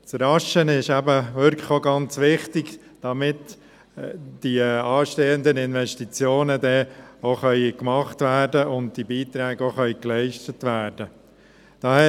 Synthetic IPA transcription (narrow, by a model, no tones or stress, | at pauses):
t͡sɾɑʃənɪʃæbəʋʏɾkʰəχoɡɑnt͡sʋɪχtɪɡ | d̥ɑmɪt | d̥iɑːʃteːəndənɪnʋɛʃtit͡sjoːnədɛoχœʏkmɑχtʋæːrdəʊnd̚d̥ibiːt̪ɾɛːɡ̥oχœʏklɛɪʃtətʋæːrd̥ə | d̥ɑɛ